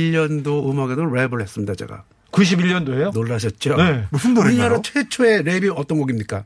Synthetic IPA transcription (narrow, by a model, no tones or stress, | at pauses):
ʎːʌndoɯmaɡedoɾebɯɭhe̞s͈ɯmɲidat͡ɕe̞̰ɡa̰ | kuɕ̬ʰibiʎːʌndoɦe̞jonoɭːaɕ̬ʰʌt̚t͡ɕ͈onemusundoiɲaɾot͡ɕʰwe̞t͡ɕʰoe̞ɾebiʌt͈ʌnɡʌɡimɲik͈a